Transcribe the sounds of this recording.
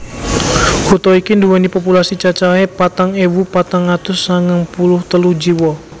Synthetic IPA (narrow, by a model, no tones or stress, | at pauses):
kut̪ɔikinduwɛnipopulasit͡ʃat͡ʃaɦɛpat̪aŋewupat̪aŋat̪ʊsːaŋəŋpulʊht̪əluhd͡ʒiwɔ